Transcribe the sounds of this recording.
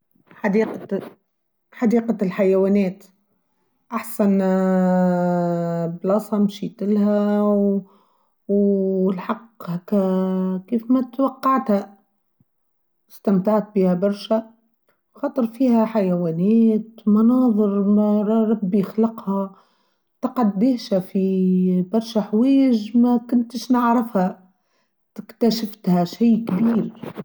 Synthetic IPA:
ħad̪iːq | ħad̪iːqalħajawaːneːt̪ | ʔaħsan | blɑsˤhɑmʃiːt̪ɪlhaw | wlħɑqːhakakiːfmat̪wɑqːɑʕt̪ha | ɪst̪amt̪aʕt̪̚biːhabɑɾˤʃa | xɑːt̪ˤɨɾˤfiːhaħajawaːneːt̪mɑnɑːðˤɨɾmaɾˤɾˤɑbːjɪxlɑqha | t̪ɑqɑd̪ːɪːhʃafibɑɾˤʃaħweːʒmakʊnt̪ɪʃnɪʕɾɪfha | t̪ɪkt̪aʃɪft̪haʃijːkbiːɾ

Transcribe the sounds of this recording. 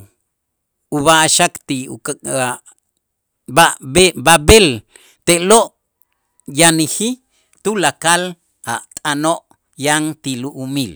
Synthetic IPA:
uβaʔʃakt̪iua | babebabel | t̪eʔloʔ | janixi | t̪ulakal | aʔt̪ʼanoʔ | jaŋt̪iluʔumil

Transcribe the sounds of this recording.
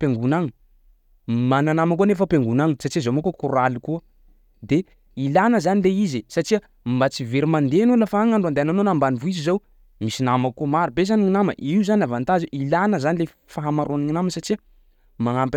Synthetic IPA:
peŋɡunaŋi | mananamakunefəpeŋɡunaŋisaʈ͡ʂizomakukuɾalikuə | d̪e | ilanəzanileizisaʈ͡ʂiə | mbat͡siveɾimand̪enulafaaŋaɳɖ͡ʐuand̪eananonambanivuizizow | misinamakkːumaɾibezaniŋinamə̰ʔiuzanavant̪aziʔilanəzanile | faɦamaɾʔoniŋinaməsaʈ͡ʂiə | maŋamp

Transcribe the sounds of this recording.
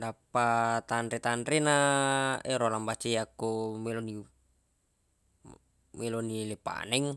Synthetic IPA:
dapːat̪anɾit̪anɾena | eɾolambat͡ʃejakːomɛloni | mɛlonilepa̰nɛŋ

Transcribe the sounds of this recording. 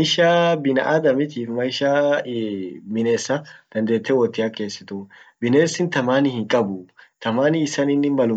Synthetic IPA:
jʃːabɪnɐ̰ʔad̪ɐmɪt̪iːfmɐjʃːɐ | mɪneːsːɐd̪̥ɐnd̪eːt̪ːɛwɔt̪ːɪjake̞ːsːɪt̪u | bɪneːsːɪnt̪ɐmaːnɪhɪŋkʼːɐbut̪ɐmaːnɪɪsːɐnɪnːɪmɐlʊ

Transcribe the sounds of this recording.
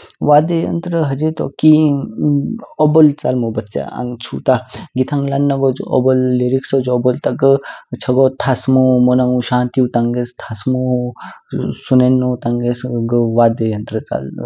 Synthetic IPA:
ʋaːd̪ejɐ̰nt̪ɾəɦɐd͡ʒet̪o̰ki | obəlt͡salmubɐtt͡sa̰a̰ŋɡt͡ʃʰut̪aɡit̪ʰaŋlanːɐɡɔd͡ʒo̰bɔlːeɾiksod͡ʒɔbolt̪ɐɡət͡ʃʰɐɡɔt̪ʰasmumonaŋuʃaːnt̪iwt̪aŋɡest̪ʰasmu | sunenːot̪aŋɡesɡəʋaːd̪ejɐnt̪ɾət͡sa̰l

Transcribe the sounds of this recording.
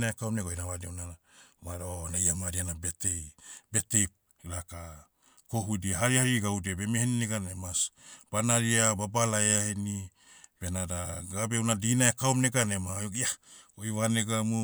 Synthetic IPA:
naekawmneɡojnawadewnanamaɾonajamaɾianabetebetejp̚ | iɾaka | koɦudiaɦaɾihaɾiɡawdebemehenineɡanemasb̥anaɾiababalaeaheni | benadaɡabewnadinaekaomneɡanemaaojβaneɡamu

